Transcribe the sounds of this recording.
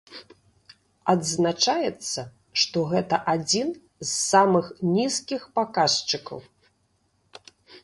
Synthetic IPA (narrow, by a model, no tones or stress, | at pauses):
ɐd̪znat͡ʂajɛt̪sːɐ | ʂt̪ɔɣɛt̪ɐʔad͡zʲin | zːamɨxnʲiskʲixpakaʂt͡ʂɨkɐ̰w